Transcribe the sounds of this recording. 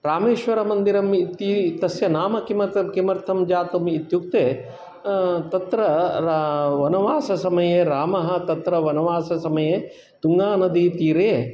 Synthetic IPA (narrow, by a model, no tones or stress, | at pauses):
ɾaːmeːʃʋɐɾɐmɐnd̪iɾɐmit̪it̪ɐsjɐnaːmɐkimɐɐkimɐɾt̪ʰɐmd͡ʒaːt̪umit̪juk̚t̪eː | t̪ɐt̪ɾɐ | ʋɐnɐʋaːsɐsɐmɐjeːɾaːmɐɦɐ̆t̪ɐt̪ɾɐʋɐnɐʋaːsɐsɐmɐjeː | t̪uŋɡaːnɐd̪it̪iːɾeː